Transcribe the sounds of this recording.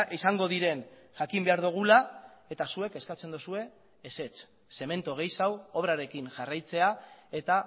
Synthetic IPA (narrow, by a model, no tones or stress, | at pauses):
ʔisaŋɡo̞ðiɾe̞nʝakimbeaɾðuɣ̞ulae̞t̪asue̞ke̞skat͡se̞nd̪osue̞ː | se̞t͡s | se̞me̞nt̪oɣ̞e̞jsawo̞βɾaɾe̞kinʝarajt͡se̞ae̞t̪a